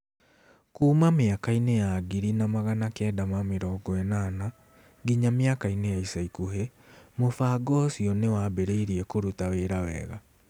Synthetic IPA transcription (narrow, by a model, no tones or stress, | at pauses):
kuːmameakainejaɡiɾinamaɣanakɛːdamameɾɔːɡɔɛnana | ɡiɲameakainejaisaikuhemofaɡɔsiɔnewabeɾeiɾiɛkoɾutaweɾawɛ̰ːɣa